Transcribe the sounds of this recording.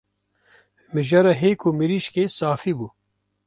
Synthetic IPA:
mɨʒaːɾaɦeːkʰumɨɾiʃkeːsaːfiːbuː

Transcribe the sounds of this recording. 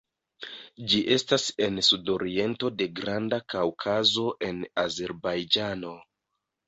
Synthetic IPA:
d͡ʒiʔe̞stase̞nsudo̞ɾie̞nto̞de̞ɡɾandakawkʰazo̞ʔe̞naze̞ɾbajd͡ʒano̞

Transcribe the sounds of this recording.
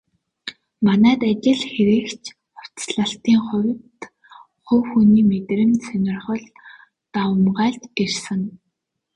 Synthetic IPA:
manæːt̪at͡ɕɪ̆ɮxeɾeːkt͡ɕʰ | χʊ̥t͡sɮə̆ɬt̪iːŋχʊwʲt̪ | χɵwxuniːmet̪̆rɘ̆nsɵnʲɪ̆rχə̆ɮ | t̪awə̆mɢaːɮt̪ɡersə̆ŋ

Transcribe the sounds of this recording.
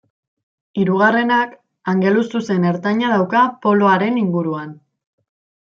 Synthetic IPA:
iɾuɣ̞are̞nak | aŋɡe̞lust̪use̞ne̞ɾt̪aɲað̞awkapo̞loaɾe̞niŋɡuɾuan

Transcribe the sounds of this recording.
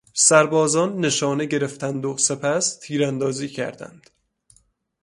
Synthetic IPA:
sæɾbɒːzɒːnːe̞ʃɒːneɟe̞ɾe̞ft̪ʰænd̪ose̞pʰæst̪ʰiːɾænd̪ɒːziːcʰæ̰ɾd̪æ̰nd̪̥

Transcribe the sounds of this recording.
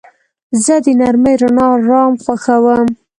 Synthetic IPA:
zəd̪ənaɾməjɾanɑɾɑmxwaxawəm

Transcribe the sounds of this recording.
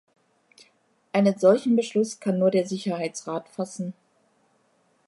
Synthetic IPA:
ʔaɪnənzɔlçn̩bəʃlʊskʰanːuːɐdeːɐzɪçɐhaɪt͡sʁaːtfasn̩

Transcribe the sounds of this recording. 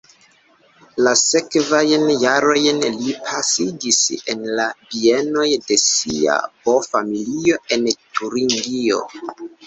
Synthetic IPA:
lase̞kvajnjaɾo̞jnlipʰasid͡ʒise̞nlabie̞no̞jde̞sḭa̰bo̞familio̞e̞ntʰuɾiŋɡio̞̰

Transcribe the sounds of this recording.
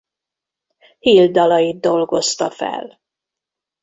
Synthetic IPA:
hiːld̪ɒlɒjid̪̚d̪o̞lɡo̞st̪ɒfɛ̰l

